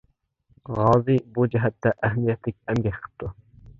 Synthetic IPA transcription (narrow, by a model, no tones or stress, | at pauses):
ʁɑːzɨbud͡ʒɛɦɛt̪ʰːɛʔæɦmijɛt̪ʰlɪk̚ʲɛmɡʲɛʃqʰə̥p̚t̪ʰu